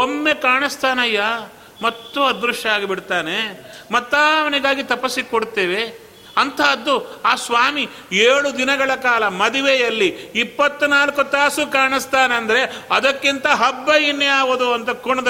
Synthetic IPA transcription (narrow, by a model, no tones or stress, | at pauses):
omːekaːɳist̪aːnɐjːa | mɐt̪ːuɐd̪ɾuʂaːɡibiɽt̪aːnemɐt̪ːaːʋɐniɡaːɡit̪ɐpɐsːikoɽt̪eːʋe̞ | ɐnt̪ʰɐɐd̪ːuaːsʋaːmi | eːɭud̪inɐɡɐɭɐkaːlɐmɐd̪iʋejɐlːiːpːɐt̪ːunaːlkut̪aːsukaːɳist̪aːneɐnd̪ɐɾe̞ɐd̪ɐkːint̪ɐɦɐbːɐjinjaːʋɐd̪uɐnt̪ʰɐkuɳɐd̪ɐ